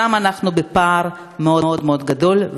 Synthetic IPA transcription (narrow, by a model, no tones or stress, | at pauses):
amanaχnubepaʁ | meood̪meo̞d̪ɡado̞lv